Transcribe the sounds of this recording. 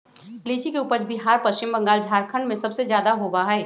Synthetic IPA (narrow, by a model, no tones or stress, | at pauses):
liːt͡ʃikeuːpəɾbiɦaːɾpəst͡ʃɪmbə̃ŋɡaːld͡ʒʱaːɾkʰə̃ɳɖmẽsɐbsezjaːd̪aɦobaɦɛː